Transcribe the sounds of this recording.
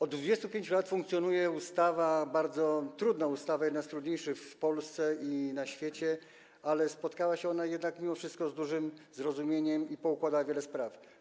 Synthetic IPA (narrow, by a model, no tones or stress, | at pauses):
ɔd̪̚d̪vud͡ʑɛst̪upʲeɲt͡ɕulat̪fuŋk̚t̪sʲjɔnujɛust̪avabaɾd̪zɔt̪ɾud̪naust̪avajɛd̪nast̪ɾud̪ɲejʂɘfpɔlst̪sɛinaɕfʲjet͡ɕɛ | alɛspɔt̪kawaɕɛɔnajɛd̪nakmʲimɔfʂɘst̪̚kɔzd̪uʐɘmzɾɔzumʲjeɲɛmipɔukwad̪awavʲjɛlɛspɾaf